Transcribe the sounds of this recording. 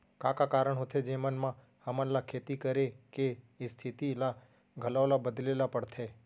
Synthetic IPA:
kakakaɾəɳɦot̪ʰed͡ʒemənmã | həmanlakʰet̪ikəɾeke | est̪ʰit̪ila | ɡʱəlaʋlabəd̪lelapəɽt̪ʰe

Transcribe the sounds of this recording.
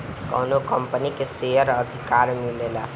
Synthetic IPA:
kə̰nokəmpənikesejəɾəd̪ʱikaɾmilela

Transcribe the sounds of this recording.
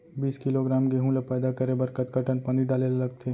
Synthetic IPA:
biːskɪloɡɾaːmkeɦũlapɛːd̪akɐɾebɐɾkət̪kəʈənpəniɖaːlellɐɡ̚t̪ʰeː

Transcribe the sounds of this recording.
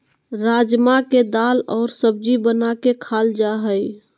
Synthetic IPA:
ɾad͡ʒmaked̪aːlɔːɾsəb̚d͡ʒibənakekʰald͡ʒaɦəj

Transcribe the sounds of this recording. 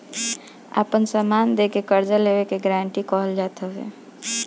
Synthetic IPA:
a̰ːpənsəmaːnd̪eːkekəɾd͡ʒaleːwekeɡɾãːɳʈikɔɦəld͡ʒaːt̪aɛ̰ː

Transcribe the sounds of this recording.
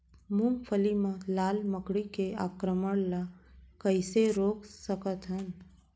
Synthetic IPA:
mũmpʰəlimãlaːlməkɽikeaːkɾəməɽlakəɪseɾoːksəkət̪ɦən

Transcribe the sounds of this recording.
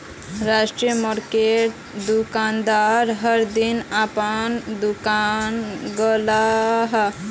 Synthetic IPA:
ɾaʃʈɾijəmɔɾkeʈ | d̪ukand̪aɾɦəɾd̪inapənd̪ukanɡəlaɦ

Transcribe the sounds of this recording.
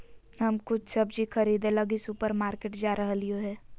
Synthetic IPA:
ɦɐmkʊt͡ʃʰsɐbd͡ʒikʰɐɾiːd̪ẽlɐɡisʊpəɾmaːɾkeːʈd͡ʒaːɾɐɦlioɦɛː

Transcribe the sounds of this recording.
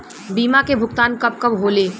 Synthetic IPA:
biːmakebʱʊkt̪aːnkɐb̚kɐbɦoːleː

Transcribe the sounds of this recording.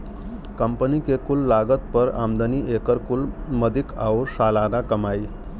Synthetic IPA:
kəmpənikekulːaɡət̪̚pəɾa̰md̪əniʔekəɾkulməd̪ʱikʰawɾsalaɾakəmai

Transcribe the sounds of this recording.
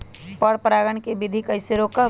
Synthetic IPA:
pɔɽpɾaːɡəɳ̃kebɪd̪ʱikɐɪseɾoːka

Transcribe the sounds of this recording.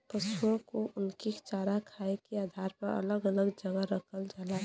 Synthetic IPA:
pəsuõkoʔʊnkit͡ʃaːɾakʰaekeaːd̪ʱaɾpəɾə̰ləɡələɡd͡ʒəɡaɾəkʰəld͡ʒala

